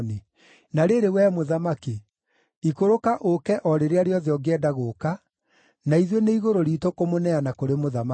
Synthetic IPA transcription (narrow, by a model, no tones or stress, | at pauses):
ne | naɾeɾewɛmoðamake | ikoɾokaʔokɛʔɔɾeɾeaɾeɔðeɔɡɛdaɣoka | naiðweneiɣoɾoɾiːtokomonɛanakoɾemoðama